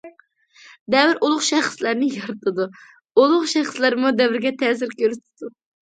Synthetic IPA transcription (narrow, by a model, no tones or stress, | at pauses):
d̪ɛvɪɾʔulˠʊχʃæχslæɾnɪjɑɾɨt̪ʰɨd̪u | ulˠʊχʃɛχslæɾmud̪ɛvɪɾɡʲɛt̪ʰɛːzɪɾkʲøɾyt̪̚ʰɪ̥d̪u